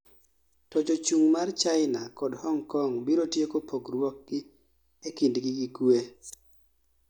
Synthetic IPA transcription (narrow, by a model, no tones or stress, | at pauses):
tɔd͡ʒot͡ʃuŋmart͡ʃaɪnakɔdhɔŋkɔŋbiɾotjekopoɡrwɔk̚ɡɪ | ekindɡɪɡikwe